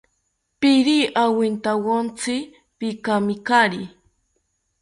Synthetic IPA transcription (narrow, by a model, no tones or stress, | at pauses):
pɪɾiʔawɪnt̪awont͡sɪ | pikamɪkaɾi